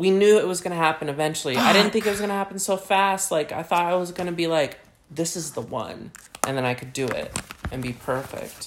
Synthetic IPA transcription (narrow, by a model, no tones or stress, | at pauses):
winjʉɪt̚wʌzɡʌnɨɦæpɨ̃nɨvɛ̃nt͡ʃl̩ˠiaɪɾɪdⁿn̩θɪ̃ŋkɨt̚wʌzɡʌñɨhæpn̩soʊfæst̚ˡlaɪka̰ɪθɔɾaɪwʌzɡʌnɨbilaɪk | ðɪsɨzðəwʌ̰̃nʔɨ̃nðɨ̃naɪkʰɨdɨɪ̰ɾɨ̃nbipʰɜ˞fɪ̰k̚t̚